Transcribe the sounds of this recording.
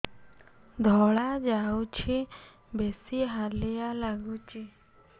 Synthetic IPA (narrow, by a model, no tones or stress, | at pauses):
d̪ʱɔɭad͡ʒawt͡ʃʰi | besiɦalɛjalaɡut͡ʃi